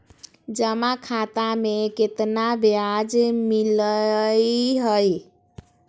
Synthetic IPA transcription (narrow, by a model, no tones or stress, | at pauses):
d͡ʒəmakʰat̪ameket̪nabjad͡ʒmilə | ɦəj